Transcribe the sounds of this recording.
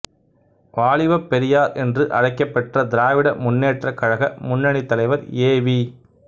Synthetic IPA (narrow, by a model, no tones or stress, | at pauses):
ʋaːɭɪʋɐpːɛɾɪjaːɾɛndrɯʔɐɻɐɪkːɐpːɐʈrɐd̪ɪɾaːʋɪɽɐmʊnːeːʈrɐkːɐɻɐɣɐmʊnːɐɳit̪ːɐlɐɪʋɐɾeːʋi